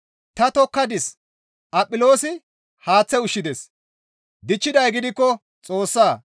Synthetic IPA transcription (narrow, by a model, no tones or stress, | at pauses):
t̪ɐt̪ɔkːɐd̪ɪs | tɐpʼːɪlo̞ːsɪ | haːt͡sːɛʊʃːɪd̪ɛs | d̪ɪt͡ʃːɪd̪ɐjɡɪd̪ɪkːɔ | t͡sʼo̞ːsːaː